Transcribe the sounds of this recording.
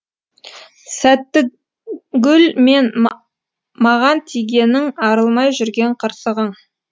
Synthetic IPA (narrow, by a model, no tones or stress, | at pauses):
sæt̪ːɪ | ɡʲʏlme̞n | mɑʁɑnt̪ʰijɡʲe̞nɪŋɑɾəlˠmɑjʒʏɾɡʲe̞ɴqʰəɾsəʁəɴ